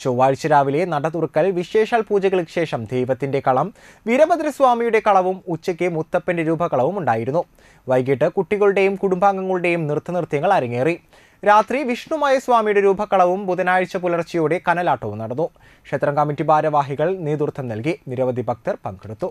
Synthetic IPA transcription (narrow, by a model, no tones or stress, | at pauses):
t͡ɕoʋaːɻɭt͡ɕːɐɾaːʋile̞nɐɽɐt̪urkːɐlʋiɕe̞ːʂaːlpuːd͡ʑɐɣɐɭikʂe̞ːʂɐmd̪ʱejʋɐt̪ːinde̞kɐɭɐm | ʋiɾɐmɐd̪ɾɐsʋaːmijuɽe̞kɐɭɐʋumut͡ɕːɐkʲːɨmut̪ːɐpːɐndeɾuːbʱɐkɐɭɐʋumuɳɖaːjiɾunːu | ʋɐjɡiʈːɨkuʈːiɣɐɭuɽe̞jumkuɽumbaːŋɡɐŋːɐɭuɽe̞jumnirt̪ːɐnirt̪jɐŋːɐɭɐɾɐŋːeːri | ɾaːt̪riʋiʂɳumaːjɐsʋaːmijuɽe̞ɾuːbʱɐkːɐɭɐʋumbuðɐnaːjɻt͡ɕːɐpulɐrt͡ɕːɐjoːɽe̞kɐnɐlaːʈːɐʋumnɐɽɐnːu | kʂet̪rɐŋkɐmːitːibaːɾɐʋaːɦiɣɐɭniːd̪urt̪ʰːɐmnɐlkiniɾɐʋɐd̪ʱibʱɐk̚t̪ɐrpɐŋɡeɽut̪ːu